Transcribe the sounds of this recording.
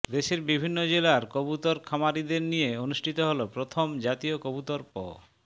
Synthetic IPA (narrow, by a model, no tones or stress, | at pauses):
d̪eʃeɾbibʱinːod͡ʑelaɾkobut̪oɾkʰamaɾid̪eɾnijeonuʃʈʰit̪oɦolopɾot̪ʰomd͡ʑat̪iokobut̪ɔɾpɔ̰